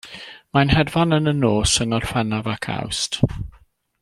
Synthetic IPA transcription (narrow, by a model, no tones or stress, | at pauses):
majnhɛdvanənənoːsəŋɔrfɛnavakʰa̰wst